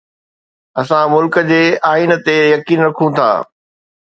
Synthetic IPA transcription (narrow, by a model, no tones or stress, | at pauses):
ɐsãmʊlkəd͡ʑeːaːint̪ejɐkiːnɾɐkʰũt̪ʰa̰ː